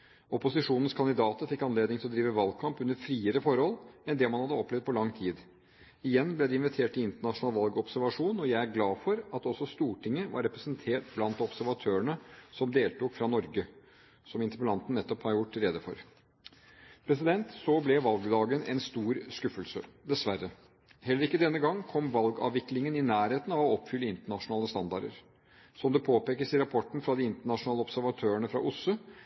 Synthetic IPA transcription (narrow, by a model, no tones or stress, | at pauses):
ɔpʊsɪʂuːnən̩skʰɑnd̪ɪd̪ɑːt̪əɾfɪkːɑnleːd̪nɪŋt̪ʰɪlɔd̪ɾiːʋəʋɑlɡ̚kʰɑmpʉnːəɾfɾiːəɾəfɔɾhɔlɛnd̪ɛmɑnhɑd̪ːəɔplɛvd̪̚pʰɔlɑŋːt̪ʰiːd̪ | ɪjɛnːblɛd̪ɛɪnʋɪt̪ʰeːʈɪɪnt̪əɳɑʂʊnɑːlʋɑlɡəɔpsæɾʋɑʂuːnɔjæɪæɾɡlɑːfɔɾɑt̪ɔsːɔst̪uːʈɪŋːəʋɑ̰ɾːɛpɾəsənt̪ʰeːʈ̚blɑnt̪ɔpsæɾʋɑt̪ʰøːəɳəsɔmd̪eːlt̪uːkfɾɑnɔɾɡə | sɔmɪnt̪əpəlɑnt̪ənːɛt̪ːɔphɑɾjʊʈːɾɛːd̪əfɔɾ | pʰɾɛs̬ɪd̪ɛnt̪sɔblɛʋɑlɡd̪ɑːɡənɛ̰nst̪uːɾskʉfəlsəd̪ɛsʋæɾːə | hɛlːəɾɪkːəd̪ɛnːəɡɑŋːkʰɔmʋɑlɡɑ̰ːʋɪklɪŋənɪnæːɾheːt̪n̩ɑʋɔɔpːfʏlːəɪnt̪əɳɑʂʊnɑːləst̪ɑnd̪ɑɖə̰ɾ | sɔmd̪ɛpʰoːpeːkəsɪɾɑpʰɔʈːn̩fɾɑd̪ɪɪnt̪əɳɑʂʊnɑːləɔpsæɾʋɑt̪ʰøːəɳəfɾɑ̰ʔʊsːʉ